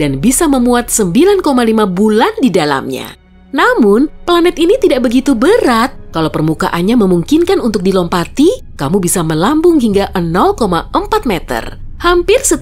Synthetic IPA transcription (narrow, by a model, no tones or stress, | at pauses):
danbisaməmuat̪̚səmbilankomalimabulandidala̰mɲa̰ | namʊnplanɛt̪init̪idaʔ̚bəɡit̪ubəɾat̪̚kalawpərmuka̰ʔanɲaməmuŋkinkanunt̪ʊk̚dilɔmpat̪i | kamubisaməlambʊŋɦiŋɡaʔənɔlkomaəmpat̪̚mɛt̪ə̰rhampɪrsə